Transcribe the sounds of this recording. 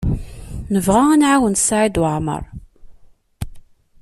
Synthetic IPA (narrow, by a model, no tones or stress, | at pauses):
nəvʁaænʕawənt̪saʕid̪ʕmə̰ɾˤ